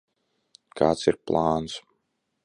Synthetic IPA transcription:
kʰa̰ːt̪siɾplˠaːns

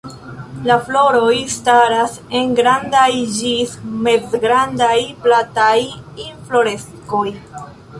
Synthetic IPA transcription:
laflo̞ɾo̞jstaɾas | e̞ŋɡɾandajd͡ʒisme̞zɡɾandajplatajinflo̞ɾe̞s | ko̞j

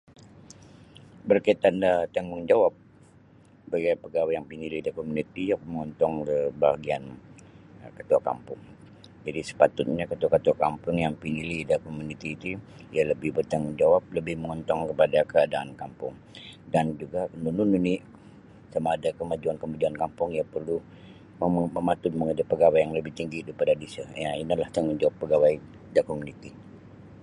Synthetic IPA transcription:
bərkait̪andat̪ɛŋɡɔŋd͡ʒawap̚ | baɡajpəɡawajaŋpinilidakomunit̪ijakməŋɔnt̪ɔŋləbaɡian | kət̪uaka̰mpʊŋ | d͡ʒadisə̥pat̪ʊt̪̚ɲakət̪uakət̪uakampʊŋjaŋpinilidakomunit̪iːt̪uijaləbɪhbət̪aŋməɲd͡ʒawap̚ləbɪhməŋɔnt̪ɔŋkəpadakəadaʔankampʊŋ | dand͡ʒuɡanunununi | samaːdakəmad͡ʒuankəmud͡ʒiankampʊŋijapərlu | əməmat̪ʊt̪̚məŋədapːəɡawajaŋləbɪht̪iŋɡidaipadadisəjainalaht̪aŋmənd͡ʒawapːəɡawaj | dakomunit̪i

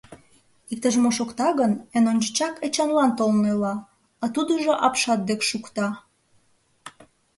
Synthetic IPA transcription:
ik̚t̪əʒmoʃokt̪ɑɣənenonʲt͡ɕət͡ɕɑket͡ɕɑnlɑnt̪olnelɑ | ɑt̪ud̪əʒoʔɑpʃɑt̪̚d̪ekʃukt̪ɑ

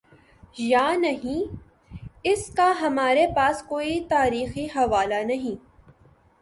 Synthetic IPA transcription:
jaːnɐɦĩ | ɪskaɦɐmaːɾepaːskoːit̪aːɾiːxiɦɐʋaːlanɐɦĩː

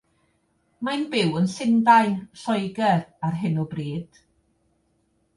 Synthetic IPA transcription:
manbɪwənsɪndaɨɬɔjɡɛrarɦɨnɔbriːd̥

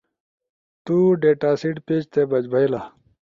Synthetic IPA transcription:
t̪uɖeːʈaːsiʈpeːd͡ʑt̪ebɐd͡ʑbʱɐilaː

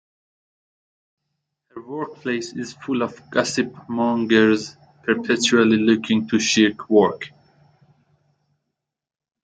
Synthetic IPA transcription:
həɹwɜɹk̚pʰleɪsɪz̥fʊlɔvɡasɨpmɔ̃ŋɡəɹz | pʰəɹpʰɛt͡ʃualilʊkʰɪ̃ŋtʰuʃikʰwɔɹk

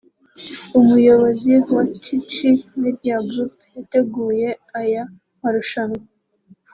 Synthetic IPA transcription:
umujo̞βo̞ziwat͡ʃit͡ʃimeɾabɾusjate̞ɡuːje̞aja | haɾuʃano

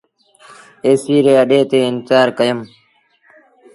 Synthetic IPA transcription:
eːsiːɾeːəɗeːt̪eːɪnsaːɾkəjəm

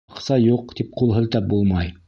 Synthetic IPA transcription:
qsɑjuqt̪ip̚qulˠɦɤ̆lt̪ɑp̚bulˠmɑj

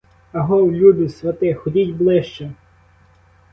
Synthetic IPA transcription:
ɐɦɔwlʲud̪ʊsʋʲɐt̪ɪxɔdʲitʲblˠɪʃt͡ʃɛ

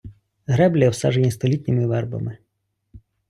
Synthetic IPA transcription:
ɦɾɛblʲɐwsa̰ʒenʲist̪ɔlʲit̪ʲnʲimɪʋɛrbɐ̰mɪ

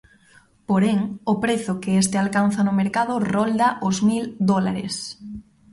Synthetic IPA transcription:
poɾeŋʊpɾeθʊkɪest̪ɪalkan̟θɐnʊmeɾkaðʊrɔld̪aʔʊzmild̪ɔla̰ɾɪ̰s

